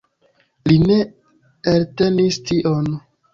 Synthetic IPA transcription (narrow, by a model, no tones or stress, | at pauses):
line̞ | elte̞nistiʔon